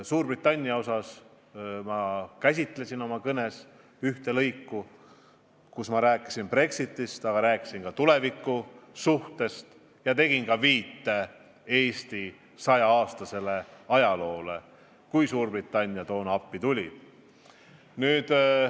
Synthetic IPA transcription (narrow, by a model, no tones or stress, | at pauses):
suːrbrit̪ːˑɑnʲːiɑo̞sɑs | mɑkæsʲit̪ˑle̞sino̞mɑkɤne̞s | yht̪e̞lɤjkːu | kusmɑɾæːkːˑi̥sinpre̞ksit̪ːˑist̪ɑɡ̥ɑɾæːkːˑi̥siŋkɑt̪ule̞vikːˑusuht̪e̞st̪ | jɑt̪e̞ɡ̥inkɑviːt̪ːe | e̞ːsʲt̪i | sɑjɑɑːst̪ɑse̞le̞ɑjɑlo̞ːle̞ | kujsuːrbrit̪ːˑɑnʲːijɑt̪o̞ːnɑpːit̪ulʲi | nyːd̪̥